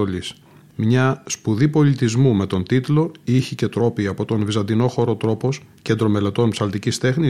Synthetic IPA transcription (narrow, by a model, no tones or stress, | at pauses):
olis | mɲɐspuðipo̞lit̪izmume̞t̪o̞nt̪it̪lo̞içice̞t̪ɾo̞piɐpo̞t̪o̞nvizɐnd̪ino̞xo̞ɾo̞t̪ɾo̞po̞sce̞nd̪ɾo̞me̞le̞t̪o̞npsɐlt̪icist̪e̞xni